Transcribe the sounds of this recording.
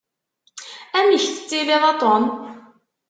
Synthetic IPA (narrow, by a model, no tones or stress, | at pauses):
æmiçθə̥t͡sːilɪðˤɑt̪ˤon